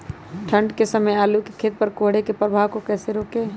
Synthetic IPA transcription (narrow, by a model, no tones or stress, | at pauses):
ʈʰə̃ɳɖkesəməjaːlukekʰeːt̪̚pəɾkoɦɽ̤ekepɾəbʱaːʋkokɛːseɾoːke